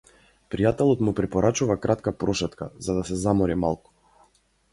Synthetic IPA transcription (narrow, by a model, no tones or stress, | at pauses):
pɾijat̪ɛlˠɔt̪mupɾɛpɔɾat͡ʃuvakɾat̪kapɾɔʃɛt̪kazad̪asɛzamɔɾimalˠku̥